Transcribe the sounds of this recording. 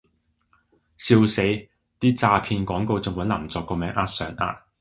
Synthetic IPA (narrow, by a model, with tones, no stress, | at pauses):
siː˧wse˨˥ | t̪iː˥t͡saː˧pʰiː˧nkʷɔː˨˥ŋko˧wt͡sʊ˨ŋwɐ˨˥nlɐ˨˩mt͡sɔː˨kːɔː˧mɛː˨˥ŋʔaː˧˥t̚sœː˨˥ŋʔa̰ː˧t̚